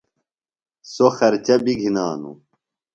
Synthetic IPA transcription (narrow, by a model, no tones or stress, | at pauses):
soxɐɾt͡ɕɐbiɡʱinaːnṵ